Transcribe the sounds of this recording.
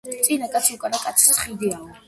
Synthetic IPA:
t̪sʼinakʼat̪sʰiukʼanakʼat̪sʰsχid̪iau

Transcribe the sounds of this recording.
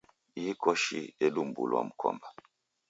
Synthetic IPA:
iikɔʃieɗum̩bṵlwa̰m̩kʰɔ̰mba

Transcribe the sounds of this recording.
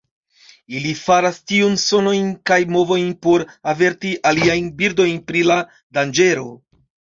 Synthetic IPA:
ilifaɾastiunso̞no̞jnkajmo̞vo̞jnpo̞ɾave̞ɾtiʔaliajnbiɾdo̞jnpɾila | dand͡ʒe̞ɾo̞

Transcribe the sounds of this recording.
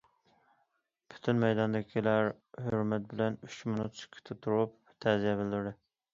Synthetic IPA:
pʰy̥t̪ʰynmɛjd̪ɑnd̪ɪkʲʰilæɾ | høɾmɛt̪̚bɪlɛnyt͡ʃmonut̪sɪ̥kʲʰi̥t̪ʰɪt̪ʰːuɾup̚ | t̪ʰæzijɛbɪld̪yɾd̪ɪ

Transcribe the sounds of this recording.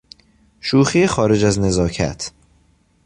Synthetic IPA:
ʃuːxiexɒːɾe̞d͡ʒæzne̞zɒːcʰæ̰t̪ʰ

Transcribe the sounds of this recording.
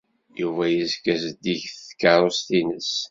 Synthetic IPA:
juvæjəzkæzəd̪içθə̥kːaɾˤost̪inəs

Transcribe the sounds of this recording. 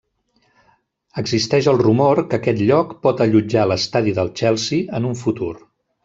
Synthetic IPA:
əɡzist̪ɛʃəlˠrumorkəkɛt̪ʎɔkpɔt̪əʎud͡ʒaləst̪aðiðəlˠt͡ʃɛlˠsiənuɱfut̪uɾ

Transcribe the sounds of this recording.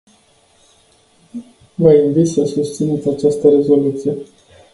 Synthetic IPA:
vəinvit̪səsust̪sinut̪ʲat͡ʃast̪əɾe̞zo̞lut̪sije̞

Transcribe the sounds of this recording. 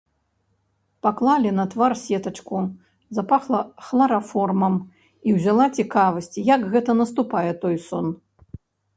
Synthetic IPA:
paklˠalʲinɐt̪varsʲɛt̪ɐt͡ʂku | zɐpaxlˠɐxlˠaɾafɔrmɐm | iwzʲalˠat͡sʲikavɐsʲt͡sʲijɐkɣɛt̪ɐnɐst̪upajɛt̪ɔjsɔn

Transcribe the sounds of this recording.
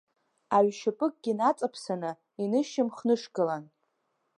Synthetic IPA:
aɥʃɪpʼɨkʼɡ̥ʲinat͡sʼapʰsanɨ | inɨʃɪmχnɨʂɡɨlan

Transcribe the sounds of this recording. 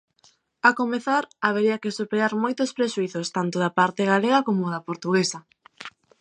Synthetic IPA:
akomeθaɾaβ̞eɾiɐkɪsupeɾaɾmojt̪ospɾeʃuiθost̪ant̪oðapaɾt̪eɣaleɣakomoðɐpoɾt̪uɣesɐ

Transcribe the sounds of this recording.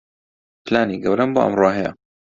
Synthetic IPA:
plaːniɡɐwɾɐmbo̰ːʔɐ̰mroːɦɐjɐ̰

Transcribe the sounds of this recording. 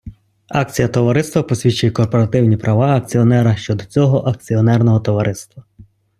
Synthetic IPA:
ɑk̚t͡sʲijɐt̪ɔʋɐɾɪst̪ʋɐpɔsʲʋʲit͡ʃʊjɛkɔrpɔɾɐt̪ɪwnʲipɾʔɐʋɑɐk̚t͡sʲiɔnɛɾɐʃt͡ʃɔd̪ɔt͡sʲɔɦɔʔɐk̚t͡sʲiɔnɛrnɔɦɔt̪ɔʋɐɾʔɪst̪ʋɐ

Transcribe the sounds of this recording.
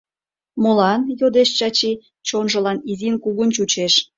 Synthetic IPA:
molɑnjod̪eʃt͡ɕɑt͡ɕi | t͡ɕonʒə̆lɑnizinkuɣənt͡ɕut͡ɕeʃ

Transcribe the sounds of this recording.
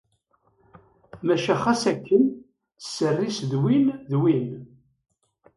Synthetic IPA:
mæʃæχæsækːən | sːərːisðwinðwin

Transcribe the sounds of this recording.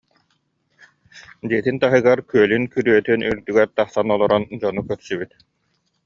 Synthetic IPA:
d̪iɛt̪int̪aɦɯɡaɾkyœlynkyɾyœt̪ynyɾd̪yɡɛɾt̪aχsanɔlˠɔɾɔnd͡ʑɔnukœɾsybyt̪

